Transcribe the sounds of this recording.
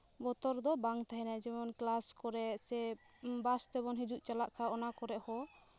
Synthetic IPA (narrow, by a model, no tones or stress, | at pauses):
bɔt̪ɔɾd̪ɔbaŋt̪aɦɛnad͡ʒɛmɔnklaskɔɾɛʔsɛ | bast̪ɛbɔnɦid͡ʒuʔt͡ʃalaʔkʰaɔnakɔɾɛʔhɔ